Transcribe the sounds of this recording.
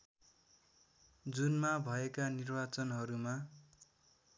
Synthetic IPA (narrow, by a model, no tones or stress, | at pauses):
d͡zunmabʱʌekanirbat͡sʌnɦʌɾuma